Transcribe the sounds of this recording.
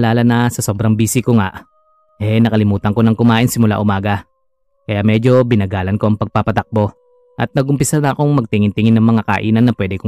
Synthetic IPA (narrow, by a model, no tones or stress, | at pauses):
laːlɐnɐsɐso̞ːbɾɐŋbiːsɪkoŋaʔ | ʔɛnɐkɐlɪmuːt̪ɐŋko̞nɐŋkʊmaːʔɪnsɪmʊla̰ʔʊmaːɡɐ | kɐjamɛːd͡ʒo̞bɪnɐɡaːlɐnko̞ʔɐŋpɐɡ̚papɐt̪ɐk̚bo̞ | ʔɐt̪̚nɐɡʊmpɪsanɐɐko̞ŋmɐɡ̚t̪ɪŋɪnt̪ɪŋɪnːɐŋmɐŋakɐʔḭːnɐnːɐpwɛːd̪ɛko